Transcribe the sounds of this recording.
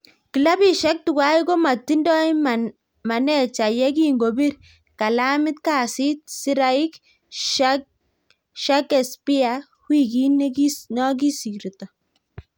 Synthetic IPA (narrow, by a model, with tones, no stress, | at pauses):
ki˨la˦bi˦˨ʃa˦k̚tu˨kwa˦i˦ko˦ma˨tːi˦ndɔ˦i˦ | ma˨nɛ˦t͡ʃa˨jɛ˦k̬i˦ŋɡo˨bi˦ɾ | ka˨la˦mɪ˦t̪̚ka˨si˦t̪̚si˦ɾa˦i˦k | ʃak | ʃa˦ke˨spi˦a˨ | hwi˦˨ki˦nkinɔ˦k̬i˦si˨ɾtɔ˨